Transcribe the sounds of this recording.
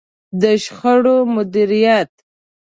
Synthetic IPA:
d̪əʃxəɽomʊd̪iɾijat̪

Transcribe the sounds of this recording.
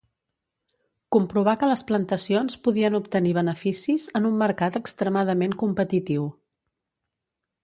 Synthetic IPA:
kumpɾuβ̞akələsplənt̪əsionspuðiənupt̪əniβ̞ənəfisizənumːəɾkat̪əkst̪ɾəmað̞əmeŋkumpət̪it̪iw

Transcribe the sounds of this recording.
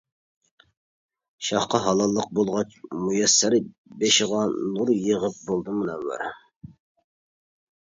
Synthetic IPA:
ʃɑχqɑɦɑlˠɑlˠːəq̚bolˠʁɑt͡ʃmujɛsːæɾɪ | beʃɪʁɑnuɾjəʁəp̚bolˠd̪ɨmɨnɛmwæ̰ɾ

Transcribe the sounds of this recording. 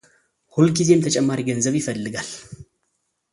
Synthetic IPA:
hulɡize̞mt̪ʰət͡ʃʼɛmːaɾiɡənzəβjɪfəlːɨɡal

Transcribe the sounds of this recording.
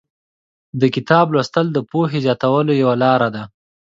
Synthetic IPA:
d̪əkɪt̪ɑblwast̪əld̪əpoɦezjɑt̪awəlojawalɑɾad̪a

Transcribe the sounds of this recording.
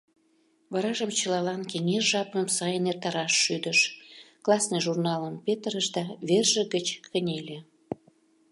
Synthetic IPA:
βɑɾɑʒəmt͡ɕəlɑlɑnkeŋeʒɑpəmsɑjənert̪ɑɾɑʃːyd̪əʃklˠɑsnɨʒurnɑləmpʲet̪rəʃd̪ɑβerʒəɣət͡ɕkənʲelʲe

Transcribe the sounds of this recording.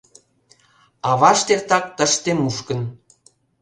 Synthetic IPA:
ɑβɑʃt̪ert̪ɑk̚t̪ə̆ʃt̪emuʃkə̆n

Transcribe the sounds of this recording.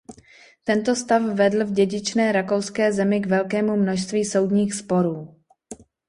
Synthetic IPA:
t̪ɛnt̪o̞st̪afvɛdl̩vɟɛɟɪt͡ʃnɛːɾako̞wskɛːzɛmɪɡvɛlkɛːmumnoʃst̪viːso̞wdɲiːxspo̞ɾuː

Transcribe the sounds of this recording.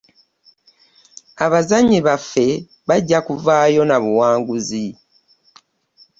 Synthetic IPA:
aβazaɲːiβafːe̞ | βaɟːakuvaːjo̞naβuwaːŋɡuzi

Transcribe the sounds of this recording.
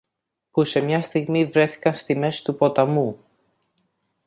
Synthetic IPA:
puse̞mɲɐst̪iɣmivɾe̞θi̥kɐnst̪ime̞si̥t̪upo̞t̪ɐmu

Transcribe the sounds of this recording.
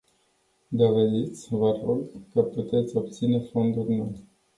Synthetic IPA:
d̪o̞ve̞d̪it̪sʲvəroɡkəput̪e̞t̪sʲo̞p̚t̪sine̞fo̞nd̪urʲnoj

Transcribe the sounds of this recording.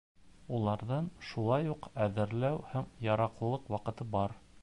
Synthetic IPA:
ulˠɑɾðɤnʃulˠɑjuqæðɘ̆ɾlæwhæŋjɑɾɑqlˠɤ̆lˠɤqwɑqɤ̆t̪ɤbɑɾ

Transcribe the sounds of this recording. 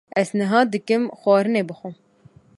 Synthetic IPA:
ɛznɨɦɑːd̪ɨkɨmxwɑːɾɨneːbɨxʷʊ

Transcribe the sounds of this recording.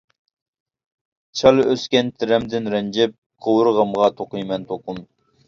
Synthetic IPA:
t͡ʃʰɑlˠøskʲɛnt̪ʰɪɾɛmd̪ɪnɾɛnd͡ʒɛp̚qʰowɾʁɑmʁɑt̪ʰoqʊjmɛnt̪ʰoqʊm

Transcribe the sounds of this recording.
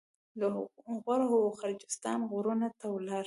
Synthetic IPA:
ləɣaɾahʊwoxaɾd͡ʒɪst̪ɑnɣʊɾunat̪awlɑɾ

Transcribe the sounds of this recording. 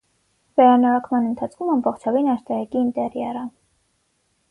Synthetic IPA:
vɛɾɑnɔɾɔkmɑnənt̪ʰɑt͡sʰkʰumɑmbɔχt͡ʃʰɑvinɑst̪ɑɾɑkiːnt̪ɛɾjɑrə

